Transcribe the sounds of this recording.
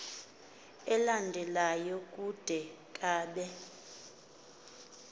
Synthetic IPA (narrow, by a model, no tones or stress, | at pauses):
ɛlandʱɛlajɔkʼud̥ʱɛ | kʼaːɓɛ